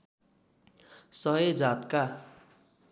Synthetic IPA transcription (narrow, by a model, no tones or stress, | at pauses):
sʌɦʌd͡zat̪ka